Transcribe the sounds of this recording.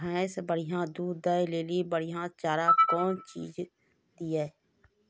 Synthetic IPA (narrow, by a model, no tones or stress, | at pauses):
ə̃ːsbəɽ̤ɪjãːd̪uːd̪ːəjleːliːbəɽ̤ijãːt͡ʃaːɾaːkɔːnt͡ʃḭːd͡ʒ | d̪iɛː